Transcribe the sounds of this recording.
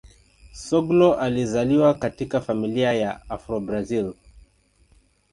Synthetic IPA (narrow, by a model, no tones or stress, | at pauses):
sɔɡlɔʔalizaliwakatikafamiliajaafɾɔbɾazil